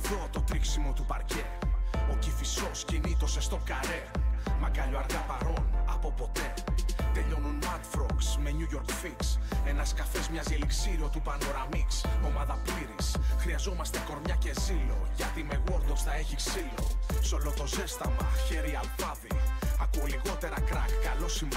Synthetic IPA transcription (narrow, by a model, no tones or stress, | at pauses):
vo̞t̪o̞t̪ɾiksimo̞t̪upɐɾce̞o̞cifiso̞scinit̪o̞sest̪o̞kɐɾe̞mɐkɐʎoɐɾɣɐpɐɾo̞nɐpo̞po̞t̪e̞t̪e̞ʎo̞nunɐt̪fɾoksme̞ɲuʝo̞ɾkfikse̞nɐskɐfe̞zmɲɐzeliksiɾio̞t̪upɐno̞ɾɐmikso̞mɐðɐpiɾisxɾiɐzo̞mɐst̪eko̞ɾmɲɐce̞zilo̞̰ʝɐt̪ime̞ɣoɾd̪ost̪ɐe̞çiksilo̞̰so̞lot̪o̞ze̞st̪ɐmɐçe̞ɾiɐlpɐðiɐkuoliko̞t̪e̞ɾɐkɾɐkːɐlo̞sim